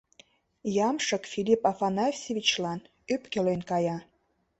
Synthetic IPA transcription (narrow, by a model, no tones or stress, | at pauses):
jɑmʃə̆kfilʲipɑfɑnɑfʲsʲevʲit͡ɕlɑn | ypkelenkɑjɑ